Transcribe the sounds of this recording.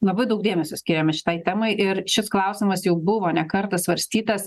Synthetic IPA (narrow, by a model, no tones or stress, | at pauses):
lˠɐbɐɪd̪ɐʊk̚d̪ʲeːmʲɛsʲʊsʲkʲiːɾʲɛmʲɛʃʲɪ̥t̪ɐɪt̪ʲæmoɪʔɪɾʃʲɪsklˠɐˑʊsʲɪmɐsjɛʊbʊʋoːnʲɛkɐrt̪ɐsʋɐɾʲsʲt̪ʲiːt̪ɐs